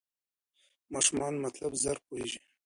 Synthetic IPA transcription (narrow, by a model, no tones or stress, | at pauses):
mɑʃumɑnmat̪labzaɾpoheʒi